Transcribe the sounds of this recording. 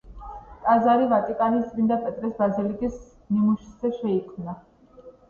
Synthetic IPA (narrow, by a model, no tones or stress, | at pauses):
t̪ʼazaɾivat̪ʼikʼanist̪ʼɾind̪apʼɛt̪ʼɾɛsbazilikʼis | nimuʃi̥zɛʃɛikʰmna